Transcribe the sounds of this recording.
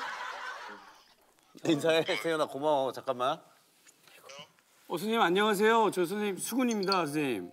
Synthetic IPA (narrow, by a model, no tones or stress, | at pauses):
ninsʰaesʰejʌnakomaot͡ɕak͈amːa | ʌsʰʌɲimaɲːʌŋas̬ʰe̞jot͡ɕʌs̬ʰʌɲimsʰuɡuɲimɲidaʌs̬ʰʌɲim